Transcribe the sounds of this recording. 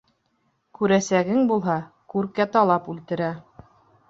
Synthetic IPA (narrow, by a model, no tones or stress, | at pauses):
kʉɾæsæɡɘŋbulˠɦɑ | kʉɾkæt̪ɑlˠɑpʉlt̪ɘ̆ɾæ